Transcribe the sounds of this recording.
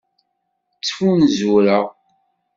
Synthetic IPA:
t͡sːfunzuɾəʁ

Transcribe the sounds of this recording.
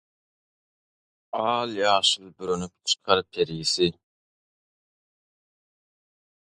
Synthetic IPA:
ɑːlˠjɑːʃɯlˠbyɾynyp̚t͡ʃʰɨ̥qʰɑɾpʰeɾjisɪ

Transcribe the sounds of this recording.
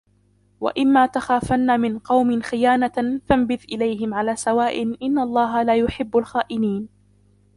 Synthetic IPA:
wa̰ʔɪmːaːt̪axaːfanːaːmɪnqɑwmɪnxɪjaːnafambɪðʔɪlajɦɪmʕalaːsawaːʔɪnʔɪnːalˤːɑːɦalaːjʊħɪbːalxaːʔɪniːn

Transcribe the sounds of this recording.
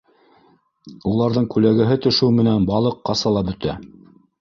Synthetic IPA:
ulˠɑɾðɤɴkʉlæɡɘ̆ɦɘt̪ɵ̆ʃɘwmɘ̆nænbɑlˠɤqːɑsɑlˠɑbɵ̆t̪æ

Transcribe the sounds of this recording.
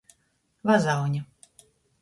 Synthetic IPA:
vazawnʲɪ

